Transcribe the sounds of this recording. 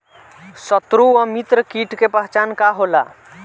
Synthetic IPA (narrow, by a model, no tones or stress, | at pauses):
sət̪ɾuəmit̪ɾəkiʈkepəɦt͡ʃankaɦola̰